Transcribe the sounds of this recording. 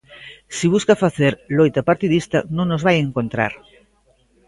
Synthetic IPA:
siβuskafaθeɾlojt̪apaɾt̪iðist̪anõŋnozβajeŋkont̪ɾa̰ɾ

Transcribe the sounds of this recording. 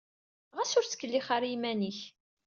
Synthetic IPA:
ʁæsʊɾt͡sə̥kːəlːiχaɾimæniç

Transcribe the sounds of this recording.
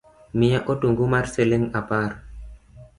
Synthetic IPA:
mɪjaʔotuŋɡumarseleŋapaɾ

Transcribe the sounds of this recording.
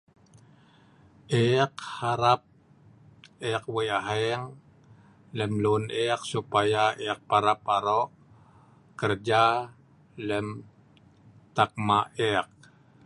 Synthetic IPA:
ʔɛkhaɾap̚ | ɛk̚weaɦɛŋ | ləmlunʔɛk̚supajaʔɛk̚paɾapaɾɔʔ | kərd͡ʒa | ləm | t̪ak̚maɛk̚

